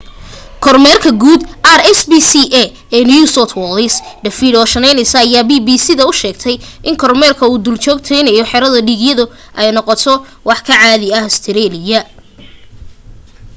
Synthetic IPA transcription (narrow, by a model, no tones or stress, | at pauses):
kʰɔrmɛːrkʰɐɡuːd̪ʔarɛsbisiʔɛ | ɛːniusɔt̪ʰwɔlɪsɖɐfidɔːʃɐnɛjnɛjsɐːjaːbiːbiːsɪðɐʊʃɛːɡt̪ʰɛjʔɪŋkʰɔrmɛːrkʰɐuːd̪ult͡ʃɔːɡt̪ʰɛjnɐjɔħɛɾɐðɐɖiːɡjɐðʊ | ʔɛjnɔqɔt̪ʰɔ | wɑħkʰɐʕaːðɪɐhst̪ʰɪɾɛːlɪjɐ